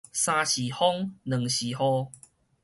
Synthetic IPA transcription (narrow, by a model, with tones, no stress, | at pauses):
sã˧ɕi˨hɔ˦ŋnə˨˩ŋɕi˨˩hɔ˧˦